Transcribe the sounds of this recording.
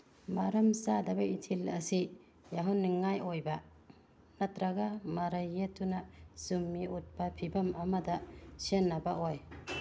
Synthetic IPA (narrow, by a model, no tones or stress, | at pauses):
maɾɐmsadɐbɐitʰilɐsi | jaɦunːiŋajojba | nɐtɾaɡamaɾɐjːetunazumːiut̚papʰibɐmɐmɐdɐsenːɐbaʔoj